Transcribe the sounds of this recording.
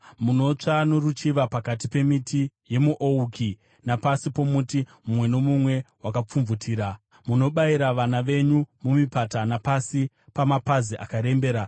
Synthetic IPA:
muno̞t͡ʂanorut͡ʃiʋapakat̬ipe̞mitʰije̞muʔouki | napasipo̞mutimumwe̞no̞mumwe̞wakap͡fumvutʰiːɾa | muno̞ɓaiɾaʋanaʋe̞ɲumumipatanapasi | pamapaziʔa̰kaɾe̞mbe̞ːɾa

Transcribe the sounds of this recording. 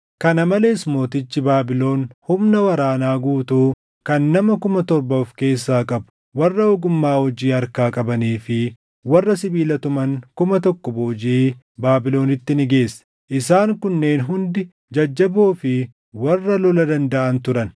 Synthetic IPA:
kɐnɐmɐle̞ːsmo̞ːt̪ɪt͡ʃːɪbaːbɪlo̞ːnhʊmnɐwɐɾaːnaːɡuːt̪uː | kɐnːɐmɐkʊmɐt̪ɔɾbɐfke̞ːsːaːkʼɐbʊ̥ | wɐrːɐɔɡʊmːaːhɔd͡ʒiːɐɾkaːkʼɐbɐniːfɪ | wɐrːɐsɪbiːlɐt̪ʊmɐŋkʊmɐt̪ɔkːɔboːd͡ʒiː | baːbɪlo̞ːnɪt̪ːɪnɪɡe̞ːsːɐ̥ | ʔɪsaːŋkʊnːe̞ːnɦʊnd̪ɪ | d͡ʒɐd͡ʒːɐboːfɪ | wɐrːɐlɔlɐd̪ɐnd̪ɐʔɐnt̪ʊɾɐn

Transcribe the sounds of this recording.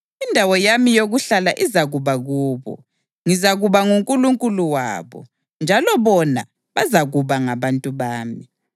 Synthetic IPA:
indʱawɔjamijoɣuɬalaʔizaɣuβaɣuːβɔ̰ | ŋizaɣuβaŋuŋkʼuluŋkʼuluwa̰ːβɔ̰ | nd͡ʒʱalɔβɔna̰ | βazaɣuβaŋaβantʼuβaːmi

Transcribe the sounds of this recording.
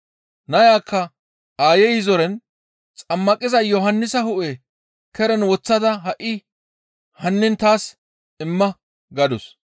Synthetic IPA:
nɐjaːkːɐ | aːjɛjɪzɔɾɛn | t͡sʼɐmːɐkʼɪzɐjɔɦɐnːɪsɐhʊʔɛ | kɛɾɛnwɔt͡sːɐd̪ɐɦɐʔɪ | hɐnːɪnt̪aːs | ɪmːɐ | ɡɐd̪ɔs

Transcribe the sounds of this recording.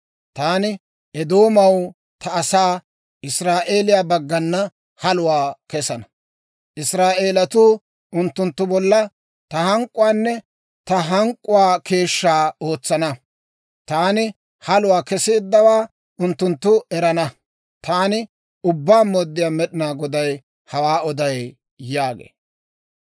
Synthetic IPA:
t̪aːnɪ | ɛd̪o̞ːmɐw | t̪ɐːsaː | ɪsɾaːʔe̞ːlɪjaːbɐɡːɐnːɐ | hɐlʊwaːkɛsɐnɐ | ʔɪsɾaːʔe̞ːlɐt̪uː | ʊnt̪ːʊnt̪ːʊbɔlːɐ | t̪ɐhɐŋkʼːʊwaːnːɛ | t̪ɐɦɐŋkʼːʊwaːke̞ːʃːaːoːt͡sːɐnɐ | t̪aːnɪ | hɐlʊwaːkɛseːd̪ːɐwaː | ʔʊnt̪ːʊnt̪ːʊɛɾɐnɐ | t̪aːnɪ | ʊbːaːmoːd̪ːɪjaːmɛɗɪnaːɡɔd̪ɐj | hɐwaːɔd̪ɐj | jaːɡḛː

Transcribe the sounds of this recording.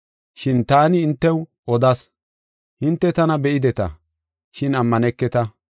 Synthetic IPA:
ʃɪnt̪aːnɪːnt̪ːɛw | ɔd̪ɐs | hɪnt̪ːɛt̪ɐnɐbɛʔɪd̪ɛt̪ɐ̰ | ʃɪnɐmːɐnɛkːɛt̪ɐ

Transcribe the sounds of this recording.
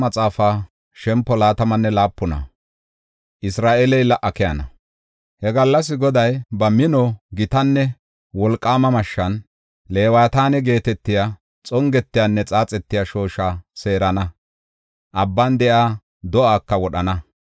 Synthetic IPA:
mɐt͡sʼaːfaː | ʃɛmpːɔlaːt̪ɐmɐnːɛlaːpːʊnɐ̰ | ʔɪsɾaːʔelɛjlɐʔɐkɛjɐnɐ̰ | hɛɡɐlːɐs̬ɪɡɔd̪ɐjbɐmɪnɔɡɪt̪ɐnːɛ | wɔlkʼːaːmɐmɐʃːɐn | le̞ːwɐjt̪aːnɛɡe̞ːt̪ɛt̪ːɪja | t͡sʼɔŋɡɛt̪ːɪjanːɛt͡sʼaːt͡sʼɛt̪ːɪjaʃo̞ːʃaːse̞ːɾɐnɐ | ʔɐbːɐnd̪ɛʔaː | d̪ɔʔaːkːɐwɔɗɐnɐ

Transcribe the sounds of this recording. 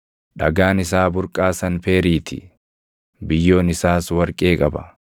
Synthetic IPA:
ᶑɐɡaːnɪsaːbʊɾkʼaːsɐnfe̞ːɾiːt̪ʰɪ̰ | bɪjːo̞ːnɪsaːswɐɾkʼe̞ːkʼɐbɐ̰

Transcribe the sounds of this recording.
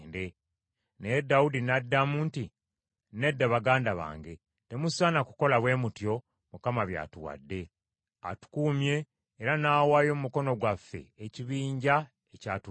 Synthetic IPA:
nde | nedːaudinadːamuːnti | ne̞dːaβaɡaːndaβa̰ːŋɡe̞ | te̞musanaku̥ko̞laβwe̞mutjo̞ | mukamaβja̰ːtuwa̰dːe̞ | a̰tu̥kuːmje̞ː | ɾanaːwaːjo̞mumuko̞no̞ɡwafːe̞̰eciβiːɲɟa | ecaːtu

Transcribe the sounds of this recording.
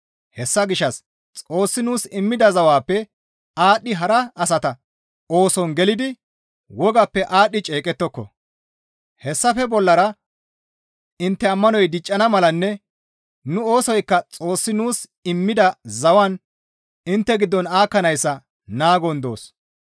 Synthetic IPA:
hɛsːɐɡɪʃːɐs | t͡sʼo̞ːsːɪnuːsɪmːɪd̪ɐzɐwaːpːɛ | aːɗːɪɦɐɾɐːsɐt̪ɐ | o̞ːsɔnɡɛlɪd̪ɪ | wɔɡɐpːɛʔaːɗːɪt͡ʃʼe̞ːkʼɛt̪ːɔkːɔ̰ | hɛsːɐfɛbɔlːɐɾɐ | ɪnt̪ːɛɐmːɐnɔjd̪ɪt͡ʃʼːɐnɐmɐlɐnːɛ | nʊo̞ːsɔjkːɐt͡sʼo̞ːsːɪnuːs | ɪmːɪd̪ɐzɐwɐn | ɪnt̪ːɛɡɪd̪ːɔnaːkːɐnɐjsːɐ | naːɡɔnd̪o̞̰ːs

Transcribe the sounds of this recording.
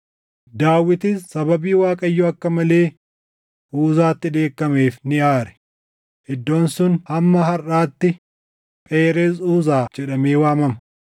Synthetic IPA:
d̪aːwːɪt̪ɪssɐbɐbiːwaːkʼɐjːoːɐkːɐmɐle̞ː | ʔuːzaːt̪ːɪᶑe̞ːkːɐmeːfnɪʔaːɾɛ̥ | ʔɪd̪ːo̞ːnsʊnhɐmːɐɦɐraːt̪ːɪ | pʼeːɾeːs̬uːzaːd͡ʒɛᶑɐmeːwaːmɐmɐ̥

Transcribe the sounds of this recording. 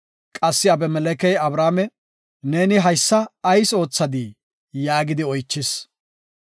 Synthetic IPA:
kʼɐsːɪɐbɛmɛlɛkɛjɐbɾaːmɛ | ne̞ːnɪɦɐjsːɐːjso̞ːt͡sːɐd̪iː | jaːɡɪd̪ɪɔjt͡ʃːɪs

